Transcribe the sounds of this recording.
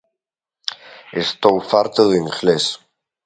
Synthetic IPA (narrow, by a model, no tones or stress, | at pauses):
est̪owfaɾt̪oðiŋxles